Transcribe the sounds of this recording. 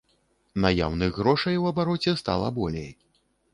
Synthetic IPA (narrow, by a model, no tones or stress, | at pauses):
naja̰wnɨɣɣɾɔʂɐjwɐbaɾɔt͡sʲɛst̪a̰lˠɐ̰bɔlʲɛ̰j